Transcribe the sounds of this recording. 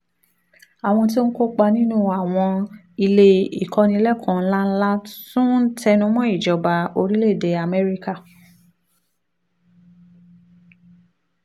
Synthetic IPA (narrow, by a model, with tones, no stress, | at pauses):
a˨w̃ɔ̃˧t̬i˦n̩˦ko˦k͡pa˧nĩ˦nũ˦a˨w̃ɔ̃˧ | i˧le˧ḭ˨kɔ˧nĩ˧lɛ˦˨kʰɔ̃˨˧n̩˦la˦n̩˦la˦tũ˦tɛ˦nũ˧˦mɔ̃˦i˦˨d͡ʒɔ˨ba˨o˧ɾi˦le˦˨de˨˦a˨mɛ˦ɾi˦ka˦˨